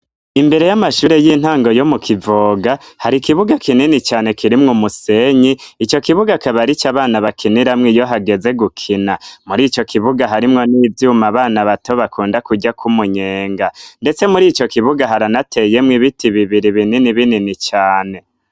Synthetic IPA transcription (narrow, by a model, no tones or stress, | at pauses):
imbe̞ɾe̞jamaʃuːɾe̞jiːn̥haːŋɡo̞jo̞mukʰivoːɡahaɾikiβuɡakʰininit͡ʃaːne̞kʰiɾimŋumuse̞ɲiit͡ʃo̞kiβuɡakaβaɾit͡ʃaβaːnaβakʰiniɾamŋijo̞ɦaɡe̞ze̞ɡukʰinamuɾiːt͡ʃo̞kʰiβuɡaɦaɾimŋo̞niːvjuːmaβaːnaβato̞βakuːndakuɟakʰumuɲe̞ːŋɡande̞t͡se̞muɾit͡ʃo̞kiβuɡaɦaɾanatʰe̞je̞mŋiβitʰiβiβiɾiβininiβininit͡ʃaːne̞